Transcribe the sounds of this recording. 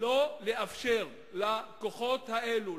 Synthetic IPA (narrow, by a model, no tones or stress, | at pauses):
oleʔafʃeʁ | lakoχo̞t̪haʔelu